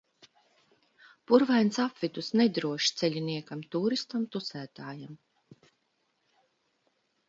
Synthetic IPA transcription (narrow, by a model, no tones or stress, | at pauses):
puɾvajnsapvid̪usned̪ɾuɔʃt̪sɛʎʲiniɛkamt̪uːɾist̪amt̪ut̪sæːt̪aːjam